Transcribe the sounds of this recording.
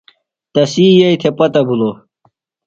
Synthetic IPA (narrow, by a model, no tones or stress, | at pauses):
t̪ɐsiːjɐit̪ʰepɐt̪ɐbʱulo